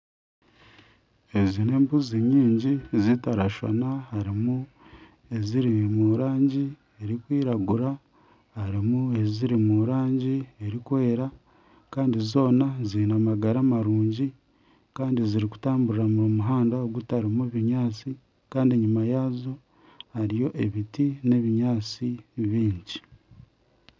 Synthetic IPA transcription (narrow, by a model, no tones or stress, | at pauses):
ezine̞ːmbuziɲiːɲɟizitaɾaʃo̰nahaɾimu | e̞ziɾimuɾaːɲɟi | e̞ɾikwiːɾaɡuɾa | haɾimue̞ziɾimuɾaːɲɟieɾikwe̞ːɾa | kaːndizo̞ːnaziinamaɡaɾamaɾuːɲɟi | kaːndiziɾiku̥taːmbuɾiɾamuɾumuɦaːndaoɡutaɾimuβiɲaːt͡si | kaːndieɲumajaːzo̞ | haɾijo̞ʔeβitine̞βiɲaːt͡siβiːɲɟi